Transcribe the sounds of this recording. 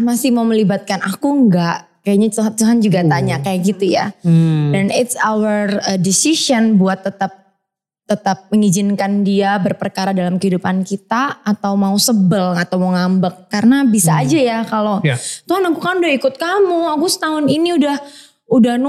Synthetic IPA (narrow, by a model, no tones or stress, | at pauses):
masɪhmauməlibat̪̚kanakuəŋɡaʔkajaʔɲat͡ʃt̪uɦand͡ʒuɡat̪aɲakajaɡit̪uja̰danɪt̪sawərrədisisɔnbuat̪ːət̪ap̚ | t̪ət̪ap̚məŋid͡ʒɪnkandiabərpərkaɾadalamkəhidupankit̪aːt̪awmausəbəlat̪awməŋambəkːarənabisaːd͡ʒajakalot̪uɦanakukanudahikʊt̪̚kamuakusə̥t̪aɦʊniniudah | udahn